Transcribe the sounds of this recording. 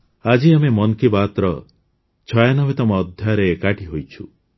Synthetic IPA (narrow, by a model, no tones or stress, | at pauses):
ad͡ʒiamemɔnkibaːt̪ɾɔ | t͡ʃʰɔjanɔβet̪ɔmɔːd̪ʱjaɾeːkaʈiɦojt͡ʃʰṵ